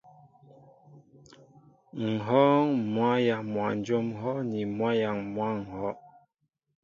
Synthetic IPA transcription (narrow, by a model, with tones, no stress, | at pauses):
ŋ̩˨ɦɔ˦ŋmwa˦ja˨ŋmwa˨n˨˦d͡ʒo˦m˦hɔ˦ni˨mwa˦ja˨ŋmwa˦ŋ̩˨hɔ˦